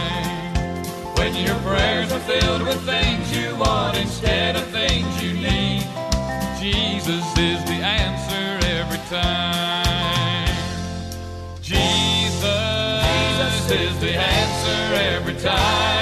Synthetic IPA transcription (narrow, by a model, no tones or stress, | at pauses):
wɨ̃njə˞pʰɹɛɹzə˞fɪlˠd̚wɨð̥θɪ̃ŋzjɨwɑ̃nɨ̃nɡɛɾɨ̥θɪ̃ŋzjɨnid̥̚ | d͡ʒizʌsɪzðiæ̃nsə˞ɛvɹitʰãɪɪ̃m | d͡ʒizʌ | sɪzðiæ̃nsə˞ɛvɹitʰãɪ